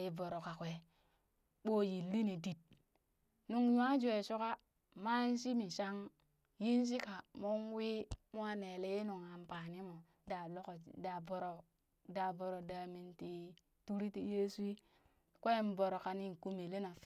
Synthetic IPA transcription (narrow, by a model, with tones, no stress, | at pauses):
ji˨vo˨ɾo˨ka˨kʷe˨ | ɓo˦ji˨lːi˦ni˨di˨t̚ | nu˨ŋja˦d͡ʒe˨so˦ka˦ | ma˦n˦si˦mi˨ʃa˦ŋ | ji˦n˦s̬i˦ka˨mo˦nwi˦mo˦a˦ne˨le˦je˦nu˨ŋa˨m˨pa˨ni˦mo˨ | da˨lo˦ko˨da˨bo˨ɾo˨ | da˨bo˨ɾo˨da˨mi˨nti˨ | tu˦ɾi˦ti˨je˦su˦i˦ | kʷe˦m˦bo˨ɾo˨ka˨ni˦˨ku˦me˨le˦na˨